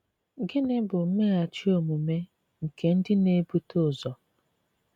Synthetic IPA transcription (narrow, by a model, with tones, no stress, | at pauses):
ɡɪ˦nɪ˦bʊ˨˦me˦a˨t͡ʃi˦o˨mu˨me˦ | ŋ̩˨ke˨n̩˦dɪ˦ne˦bu˦tʊ˦˨zɔ˨